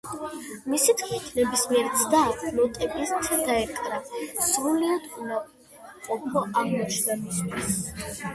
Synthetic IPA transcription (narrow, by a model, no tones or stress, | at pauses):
misit̪kʰmit̪ʰnɛbismiɛɾt̪sʰd̪alɔt̪ʼɛkʼist̪ʰɛd̪aɛkʼɾasɾuliad̪uma | qʼɔpʰɔʔamɔɛt͡ʃʰnɛbist̪ʰis